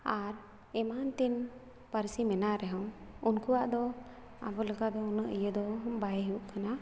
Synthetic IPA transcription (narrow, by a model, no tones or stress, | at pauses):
aɾ | ɛmant̪in | pəɾsimɛnaɾɛɦɔ̃wunkuwaʔd̪ɔ | a̰bɔləkad̪ɔunəʔijəd̪ɔbajɦiuʔkana